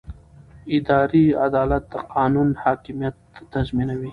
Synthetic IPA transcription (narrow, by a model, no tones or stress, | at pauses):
ɪd̪ɑɾiad̪ɑlat̪̚d̪əqʰɑːnunhɑkɪmijat̪ːazminawi